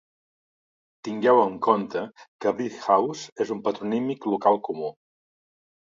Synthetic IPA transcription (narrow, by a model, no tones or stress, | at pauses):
t̪iŋɡɛwəŋkont̪əkərit̪xawzezumpət̪ɾunimiklukalˠkumu